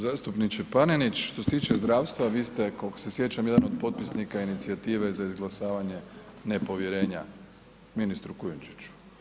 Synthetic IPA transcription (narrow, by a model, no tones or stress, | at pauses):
zaːst̪upnit͡ʃepanenit͡ʃʃt̪oset̪iːt͡ʃezd̪ɾaːʋst̪ʋaʋiːst̪e̞koksesje̞t͡ɕamjed̪anod̪po̞t̪̚pisnikainit̪siat̪iːʋe̞zaizɡlˠasaːʋaɲe̞ne̞po̞ʋjeɾe̞ːɲa | minist̪ɾukujunt͡ʃi̥t͡ɕu̥